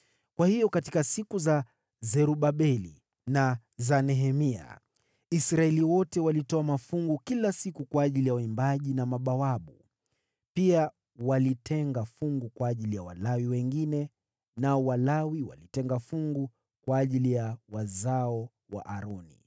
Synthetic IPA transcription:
kwahijɔkatikasikuza | zɛɾuɓaɓɛlḭ | na | zanɛɦɛmia̰ | isɾaɛliwɔtɛwalitɔamafuŋɡukilasikukwaːʄilijawaimbaʄinamaɓawaɓu | pia | walitʰɛŋɡafuŋɡukwaːʄilijawalawiwɛŋɡinɛ | naɔwalawiwa̰litɛŋɡafuŋɡu | kwaːʄilijawazaɔ | wa̰ʔaɾɔnḭ

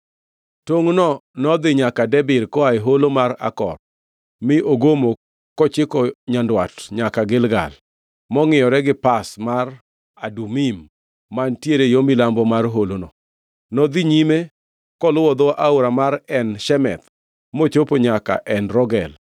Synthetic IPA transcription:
toŋnɔnɔd̪ɪɲakadɛbɪɾkɔaeɦolomaɾa̰kɔ̰r | mɪʔoɡomo | kɔt͡ʃɪkɔɲandwatɲakaɡɪlɡa̰l | mɔŋɪjɔɾɛɡɪpasmar | adumimː | antjeɾejomilambɔmarɦolonɔ | nɔd̪iɲime | kɔlʊwɔd̪ɔwaʔauɾamaɾɛnʃɛmɛ̰t̪ | mot͡ʃopoɲaka̰ʔɛnɾɔɡɛl

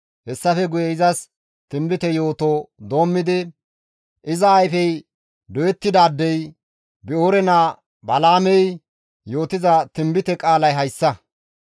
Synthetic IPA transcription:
hɛsːɐfɛɡʊjɛɪzɐs | t̪ɪmbɪt̪ɛjo̞ːt̪oːd̪o̞ːmːɪd̪ɪ | ʔɪzɐːjfɛj | d̪ɔjɛt̪ːɪd̪aːd̪ːɛj | bɪoːɾɛna | bɐlaːmɛj | jo̞ːt̪ɪzɐt̪ɪmbɪt̪ɛkʼaːlɐjɦɐjsːɐ

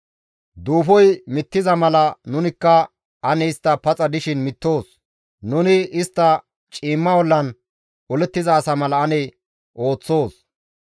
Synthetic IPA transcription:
d̪uːfɔjmɪt̪ːɪzɐmɐlɐnʊnɪkːɐ | ʔɐnɛɪst̪ːɐpɐt͡sʼɐd̪ɪʃɪnmɪt̪ːo̞ːs | nʊnɪɪst̪ːɐ | t͡ʃʼiːmːɐwɔlːɐn | ɔlɛt̪ːɪzɐːsɐmɐlɐɐnɛ | ʔo̞ːt͡sːo̞ːs

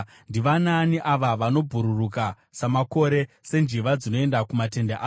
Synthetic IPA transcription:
ndiʋananiʔaʋaʋano̞bʱuɾuruka | samako̞ɾe̞se̞nd͡ʒiʋad͡zino̞e̞ndakumate̞ndeʔa

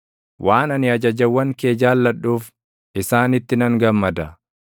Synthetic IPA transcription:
wʔaːnɐnɪɐd͡ʒɐd͡ʒɐwːɐŋke̞ːd͡ʒaːlːɐᶑːuːf | ʔɪsaːnɪt̪ːɪnɐŋɡɐmːɐd̪ɐ

